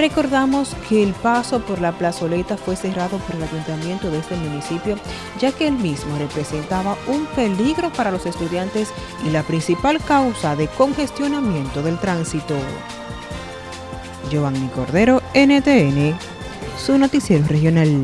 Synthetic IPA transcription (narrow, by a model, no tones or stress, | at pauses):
re̞ko̞ɾðamo̞skʰe̞ːlpaso̞po̞ɾlaplaso̞le̞t̪afwe̞se̞raðo̞po̞ɾe̞laʝunt̪amje̞nt̪o̞ðeest̪e̞mũnisipjo̞ | d͡ʒake̞elmismore̞pɾe̞se̞nt̪aβaumpe̞liɣɾo̞paɾalo̞se̞st̪uðjant̪e̞s | ḭlapɾinsipalkawsaðe̞ko̞ŋxe̞st̪jo̞namjẽ̞nt̪o̞ðe̞lt̪ɾansit̪o̞ | d͡ʒo̞aŋniko̞̰ɾðe̞ɾo̞enet̪eene | suno̞t̪isje̞ɾorehjo̞nal